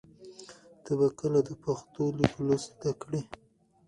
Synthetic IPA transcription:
t̪abakəlad̪əpaxt̪oliklose̥d̪akɽi

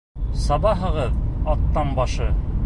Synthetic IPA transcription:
sɑβɑɦɤ̆ʁɤðɑt̪ːɑnbɑʃɤ

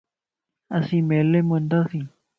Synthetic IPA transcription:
asimelemwend̪asi

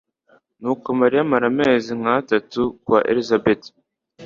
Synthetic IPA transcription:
nuːkomaɾijamaɾameːziŋ̥hatatukwaʔḛɾizabeti̥

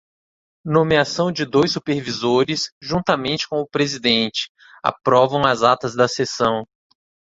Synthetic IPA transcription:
nomiasɐ̃w̃d͡ʒɪd̪ojsupeɾvizoɾɪsʒũnt̪ɐmẽnt͡ʃɪ̥kõʊpɾezid̪ẽnt͡ʃɪ̥ | a̰pɾɔvɐ̃w̃ɐzat̪ɐzd̪ɐsesɐ̃w̃

